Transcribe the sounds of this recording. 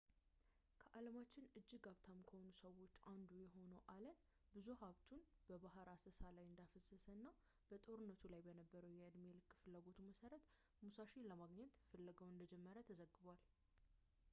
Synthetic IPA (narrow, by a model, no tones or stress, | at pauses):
kʰəʔaləmat͡ʃːɪnɨd͡ʒːɨɡaβt̪ʰamkʰəho̞nusəwo̞t͡ʃːand̪ujɛɦo̞nəwʔalən | bɨzuhaβt̪ʰunb̥əbaɦaɾasəsalajɨnd̪afəsːəsənːa | b̥ət̪ʼo̞ɾɨnːət̪ʰulajbənəbːəɾəwjɛɨd̪melɨkːfɨlːaɡo̞t̪ʰuməsəɾət̪ | musaʃeləmaɡɲɛt̪fəlːəɡəwɨnd̪əd͡ʒɛmːəɾət̪ʰəzəɡːɨβal